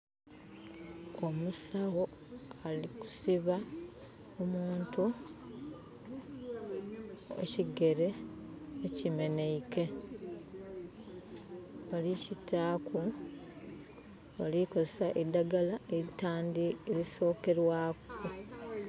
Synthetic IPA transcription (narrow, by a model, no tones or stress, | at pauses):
omusawo̞ | aliku̥siβa | omuːntu | ḛciɡe̞ɾe̞ː | cime̞ne̞ike̞ | βalicitakʰu | βa̰likozesaʔidːaɡalaeitaːndieliso̞ːke̞ɾwaːko